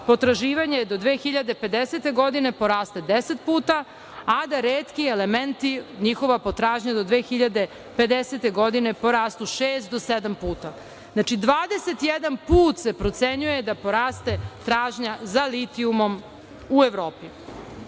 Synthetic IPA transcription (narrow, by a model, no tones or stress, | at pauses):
po̞t̪ɾaʒiːʋaɲed̪o̞d̪ʋeːxiʎad̪e̞pe̞d̪eset̪e̞ɡo̞d̪ine̞po̞ɾaːst̪ed̪ese̞t̪̚puːt̪a | ad̪aɾeːt̪kielement̪iɲixo̞ʋapot̪ɾaːʒɲad̪o̞d̪ʋeːxiʎad̪e̞ | pe̞d̪eset̪e̞ɡo̞d̪ine̞po̞ɾaːst̪uʃeːst̪̚d̪osed̪ampuːt̪a | znat͡ʃid̪ʋaːd̪eset̪jed̪anpuːt̪se̞pɾot̪seɲuje̞d̪apo̞ɾaːst̪e̞t̪ɾaːʒɲazalit̪iumo̞m | ueʋɾoːpi